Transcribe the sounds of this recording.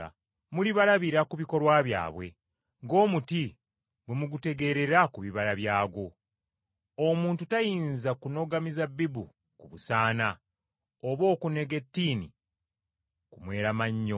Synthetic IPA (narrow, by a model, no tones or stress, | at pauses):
a̰ | muliβalaβiɾakuβiko̞lwaβja̰ːβwe̞̰ | ŋɡo̞ːmuti | bwemuɡute̞ɡe̞ɾe̞ɾakuβiβalaβjaːɡo̞ | omuːntutajiːnzakuno̞ɡamizabːibu | kuβusaːna | oβo̞ːkune̞ɡe̞tːiːnḭ | kumwe̞ːɾamaɲːo